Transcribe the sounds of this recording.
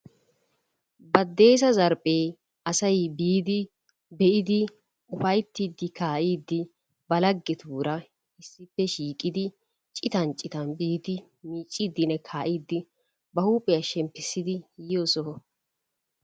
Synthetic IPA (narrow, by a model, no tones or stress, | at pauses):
bɐd̪ːe̞ːs̬ɐzɐɾpʼeː | ʔɐsɐjbiːd̪ɪ | bɛʔɪd̪ɪ | ʊfɐjt̪ːiːd̪ːɪkaːʔiːd̪ːɪ | bɐlɐɡːɛt̪uːɾɐ | ɪsːɪpːɛʃiːkʼːɪd̪ɪ | t͡ʃʼɪt̪ɐnt͡ʃʼːɪt̪ɐnbiːd̪ɪ | miːt͡ʃʼːiːd̪ɪnɛkʰaːʔiːd̪ːɪ | bɐhuːpʼɛjɐʃɛmpːɪsːɪd̪ɪjɪjosɔhɔ